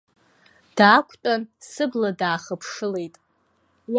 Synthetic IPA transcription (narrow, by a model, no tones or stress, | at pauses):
d̥aːkʷʰʼtʼansɨbladaːχəpʰʂɨle̞jtʼ | w